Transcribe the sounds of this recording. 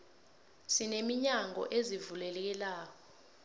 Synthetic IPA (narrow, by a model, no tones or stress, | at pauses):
sinemiɲaŋɔ̰ʔezivulɛlɛk̬ɛlaːk̬ɔ